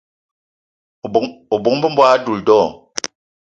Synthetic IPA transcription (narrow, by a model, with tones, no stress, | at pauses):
o˨bo˨˦ŋmbə˦m̩˦bwa˦du˨ldɔ˦˨